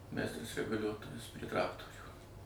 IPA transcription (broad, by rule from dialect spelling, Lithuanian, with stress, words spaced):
ˈmʲɛɪstrɐs rʲɛɡʊˈlʲuɔtoːjɛs pʲrʲiɛ ˈtrɑːktoːrʲuː